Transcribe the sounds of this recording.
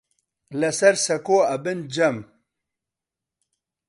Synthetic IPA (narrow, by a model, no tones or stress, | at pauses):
lɐsɐɾsɐkoːɐbɪnd͡ʑɐm